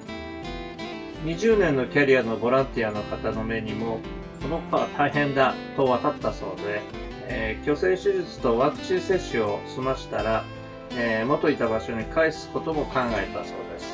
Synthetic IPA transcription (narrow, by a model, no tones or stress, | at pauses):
ɲ̟iʑɨːnẽ̞nːo̞kʲaɾʲiano̞bo̞ɾãnt̪ʲiano̞kat̪ano̞me̞ɲ̟imo̞ | ko̞noko̞t̪oβat̪ʰaiɦẽ̞nd̪at̪o̞βat̪at̪ːaso̞̰ːd̪e̞ | kʲo̞se̞ːɕiʑit͡sɨ̥t̪o̞βakɯ̟̥t͡ɕĩse̞ɕːɨo̞sɨmaɕi̥t̪aɾa | emo̞t̪o̞it̪abaɕo̞ɲ̟ikʰaisɨ̥ko̞t̪o̞mo̞kãŋɡae̞t̪a̰so̞̰ːd̪e̞sɨ̥